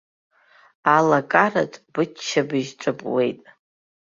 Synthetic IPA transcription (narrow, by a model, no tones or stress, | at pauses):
alakʼara̰tʼb̥ɨabɨʒʈ͡ʂʷʼɨpʼwe̞jtʼ